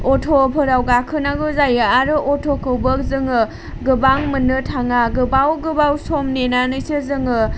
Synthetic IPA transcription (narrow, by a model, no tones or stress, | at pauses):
otʰopʰɯɾawɡakʰɯnaɡɯzajɯaɾɯʔotʰokʰɯwbɯk̚zɯŋɯ | ɡɯbaŋmɯnɯtʰaŋaɡɯbawɡɯbawsomnenanɯjsɯzɯŋɯ